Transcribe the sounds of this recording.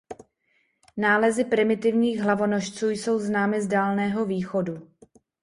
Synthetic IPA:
naːlɛzɪpɾɪmɪt̪ɪvɲiːɣɦlavo̞noʃt͡suːjso̞wznaːmɪzdaːlnɛːɦo̞viːxo̞du

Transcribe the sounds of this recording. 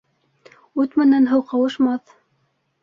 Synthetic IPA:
ʉt̪mɘ̆nænɦɤwqɑwɤ̆ʃmɑθ

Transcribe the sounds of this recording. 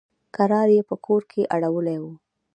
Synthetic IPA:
kaɾɑɾjepəkʰoɾkʰeʔaɽawəlewu

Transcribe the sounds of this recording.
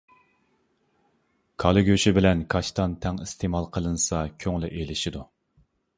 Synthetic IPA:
kʰɑlˠɨɡʲøʃɪbɪlɛnkʰɑʃt̪ɑnt̪ʰɛŋist̪ʰemɑlˠqʰəlˠɨnɨsɑkʲʰøŋlyʔelɪʃid̪u

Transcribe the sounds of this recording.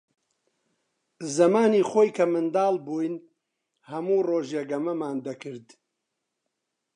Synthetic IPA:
zɐmaːniːxoːjkʰɐmɨnd̪aːlˠbuːjn | hɐmuːroːʒjeɡɐmɐmaːnd̪ɐkɨɾd̪

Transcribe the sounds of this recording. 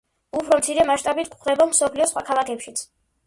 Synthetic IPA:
upʰɾɔmt̪sʰiɾɛmaʃt̪ʼabit̪ʰkχd̪ɛbamsɔpʰliɔsχwakʰalˠakʰɛpʃit̪sʰ

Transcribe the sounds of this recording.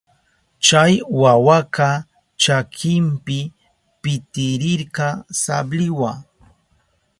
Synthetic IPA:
t͡ʃajwawaka | t͡ʃakʰɪmpɪ | pɪt̪ɪɾɪɾɢɑsa̰blɪwaŋ

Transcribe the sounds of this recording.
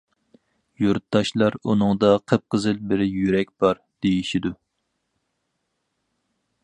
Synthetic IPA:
juɾt̪ːɑʃlˠɑɾunɨŋd̪ɑqʰəp̚qʰəzɨlbɪɾɪjyɾɛk̚ʲb̥ɑɾ | d̪̥ejiʃid̪u

